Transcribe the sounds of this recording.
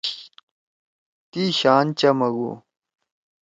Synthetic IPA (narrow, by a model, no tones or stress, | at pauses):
t̪iɕaːnt͡ɕɐmɐɡṵ